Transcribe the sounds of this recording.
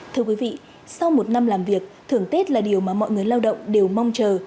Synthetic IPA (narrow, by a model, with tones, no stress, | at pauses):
t̪ʰɨ˧əkwi˨˦vḭ˧˨ | sa˧wmo˨˩t̚na˧mlaː˨˩mvi˨˩ək̚t̪ʰɨ˧˩əŋt̪e˦˥t̚laː˨˩ɗi˨˩əwmaː˨˩mɔ̰˧˨jŋɨ˨˩əjlaː˧wɗə̰˧˨wŋ͡mɗe˨˩wma˧wŋ͡mt͡ɕəː˨˩